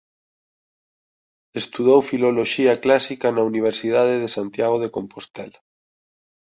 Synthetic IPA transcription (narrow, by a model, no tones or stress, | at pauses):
est̪uð̞owfiloloʃiaklasikanauniβ̞eɾsið̞að̞eðesant̪jaɣ̞oð̞ekompost̪ɛla